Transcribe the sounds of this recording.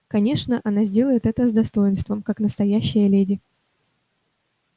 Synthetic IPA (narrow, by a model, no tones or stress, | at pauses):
kɐnʲe̞ʂnəʔɐnazʲdʲe̞lˠəjɪt̪ɛt̪əzd̪ɐst̪o̞jɪnst̪vəmkaknəst̪ɐjæɕːɪjəlʲedʲɪ